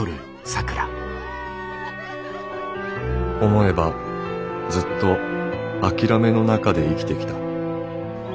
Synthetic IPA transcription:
oɾɯ̟ | sakɯ̟ɾa | o̞mo̞e̞ba | d͡zɨt̪ːo̞akʲiɾame̞no̞nakad̪e̞ikʲi̥t̪e̞kʲi̥t̪a

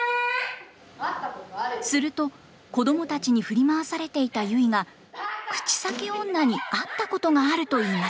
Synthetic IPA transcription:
sɨɾɯ̟t̪o̞ | ko̞d̪o̞mo̞t̪at͡ɕiɲ̟iɸɯ̟ɾʲimaβasaɾe̞t̪e̞it̪ajɯ̟iɡa | kɯ̟̥t͡ɕi̥sake̞õ̞nːaɲ̟iat̪ːako̞t̪o̞ŋaːɾɯ̟t̪o̞iːmas

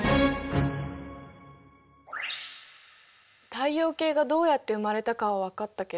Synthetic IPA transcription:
t̪aijo̞ːke̞ːɡad̪o̞ːjat̪ːe̞ɯ̟maɾe̞t̪akaβaβakat̪ːake

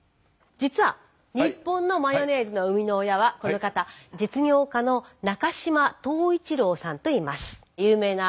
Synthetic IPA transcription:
d͡ʑit͡sɨβa̰ | ɲ̟ipːõ̞nːo̞majo̞ne̞ːzɨno̞ɯ̟mʲino̞ːjaβako̞no̞kat̪ad͡ʑit͡sɨɲʲo̞ːkanonakaɕimat̪o̞ːit͡ɕiɾo̞ːsãnt̪o̞imasɨ̥ | jɯːme̞ːna

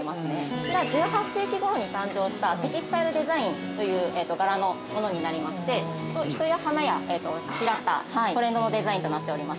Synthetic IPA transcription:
masɨne̞eɾaɡoːɦḁt̪e̞ːkʲiɡo̞ɾo̞ɲ̟ikãɲ̟d͡ʑo̞ːɕi̥t̪at̪e̞kʲisɨ̥t̪aiɾɯ̟d̪e̞zaĩnt̪o̞jɯ̟ːeːt̪ːo̞ɡaɾano̞ | mo̞no̞ɲ̟inaɾʲimaɕi̥t̪e̞ | t̪o̞çi̥t̪o̞jahanajaeːt̪o̞aɕiɾat̪ːa̰io̞ɾẽ̞nd̪o̞no̞d̪e̞zaĩnt̪o̞nat̪ːe̞o̞ɾʲimas

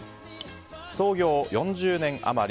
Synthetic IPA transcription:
so̞ːɡʲo̞ːjõ̞ɲd͡ʑɨːnẽ̞ŋa̰maɾʲ

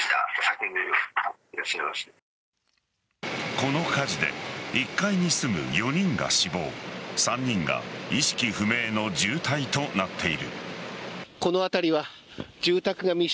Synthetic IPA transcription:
t̪a̰sakeniɾɯiɾaɕaemaɕt̪ḁ | ko̞no̞kaʑid̪e̞̰ikːaiɲ̟isɨmɯ̟̰jo̞ɲ̟ĩŋɡa̰ɕibo̞̰ːsãɲ̟ːĩŋɡa̰iɕi̥kʲiɸɯ̟me̞ːno̞d͡ʑɨːt̪ait̪o̞nat̪ʰːe̞iɾɯ̟̰ | ko̞no̞at̪aɾʲiβa | d͡ʑɨːt̪akɯ̟ɡamʲi

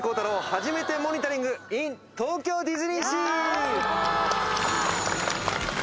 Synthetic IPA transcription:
ko̞ːt̪aɾohaʑime̞t̪e̞mo̞ɲ̟ʲit̪aɾʲĩŋɡɯĩnt̪o̞ːkʲo̞ːd̪ʲizɨɲʲiɕiː

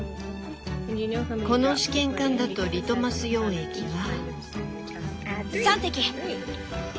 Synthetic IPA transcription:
ko̞no̞ɕi̥kẽ̞ŋkãnd̪at̪o̞ɾʲit̪o̞masɨjo̞ːe̞kʲiβa | sãnt̪ekʲi

